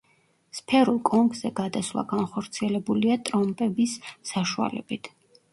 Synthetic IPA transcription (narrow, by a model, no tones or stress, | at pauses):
spʰɛɾulˠkʼɔmpʰʼzɛɡ̥ad̪aswlˠa̰ɡanχɔɾt̪sʰiɛlɛbuliat̪ʼɾɔmpʼɛbisːaʃua̰lɛ̰bit̪ʰ